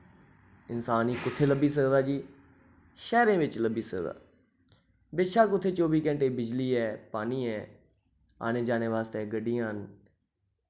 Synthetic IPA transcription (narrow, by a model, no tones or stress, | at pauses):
ɪnsaːniːkʊt̪ʰːeːləbiːs̬əkd̪aːd͡ʒiː | ʃɛːɾẽːʋɪt͡ʃləbiːsəkd̪a̰ː | bɪʃaːkʊt̪ʰːeːt͡ʃoːbiːkɛ̃ːɳʈeːbɪd͡ʒliːɛːpaːniːɛː | a̰ːneːd͡ʒaːneːʋaːst̪eːɡəɖːijãːn